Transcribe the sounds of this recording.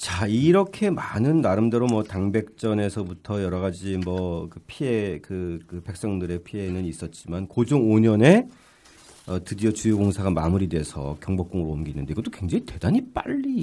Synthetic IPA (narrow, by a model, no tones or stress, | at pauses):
t͡ɕaiɾʌkʰe̞manɯnːaɾɯmde̞ɾomʌtaŋbe̞k̚t͡ɕ͈ʌne̞sʰʌbutʰʌjʌɾʌɣad͡ʑimʌkɯpʰie̞kɯkɯpe̞k̚s͈ʌŋdɯɾe̞pʰie̞nɯnis͈ʌt̚t͡ɕ͈imankod͡ʑoŋoɲʌne̞ | ʌtɯdiot͡ɕujoɡoŋsʰaɡamamuɾide̞ɦesʰʌ̰kjʌŋbʌk͈oŋɯɾoːmɡinːɯndeiɡʌt͈o̥kwe̞ŋd͡ʑaŋite̞d̥aɲip͈a̰ʎːi